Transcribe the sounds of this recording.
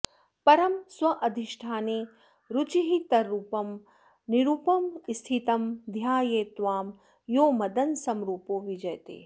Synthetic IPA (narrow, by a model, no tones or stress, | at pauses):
pɐɾɐmswɐʔɐd̪ʱiʃʈʰaːneː | ɾut͡ʃiɦit̪ɐɾuːpɐm | niɾuːpɐmst̪ʰit̪ɐmd̪ʱjaːjeːt̪ʋaːm | joːmɐd̪ɐnsɐmɾuːpoːʋid͡ʒɐjt̪ḛː